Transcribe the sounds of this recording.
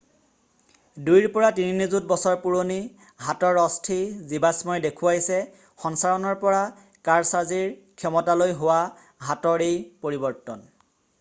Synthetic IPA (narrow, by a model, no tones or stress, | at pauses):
dujɹpɔɹatininizut̚bɔsɔɹpuɹoni | ɦatɔɹɔstʰizibasmɔjdekʰʊwajsɛ | xɔnsaɹɔnɔɹpɔɹa | kaɹsaziɹkʰɛmɔtalojɦowa | ɦatɔɹejpoɹibɔɹtɔn